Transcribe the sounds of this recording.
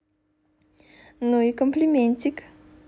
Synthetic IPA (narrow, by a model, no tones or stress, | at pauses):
nojikɔmpʰlimɛnt͡ɕik